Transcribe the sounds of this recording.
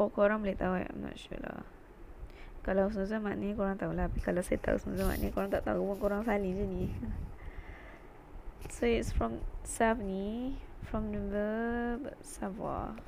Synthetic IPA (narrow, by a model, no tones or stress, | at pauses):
ʔokoɾãŋblit̪aua̰a̰mnɔ̰ʔʃṵla̰ | kalaws̬əməzamaʔnikoɾaŋt̪aulah̪apikalasajat̪a̰ṵsənuzama̰ʔnikoɾaŋt̪aʔt̪aupunkoɾaŋsalid͡ʒuni | soitsfɹɔ̃msavnifɹɔ̃mdðəbsava̰